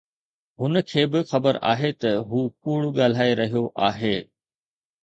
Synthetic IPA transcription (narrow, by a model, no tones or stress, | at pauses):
ɦʊnəkʰeːbɪxɐbəɾa̰ːɦet̪ɐɦuːkuːɽʊɠaːl̤aːeɾɐɦijoʔaːɦeː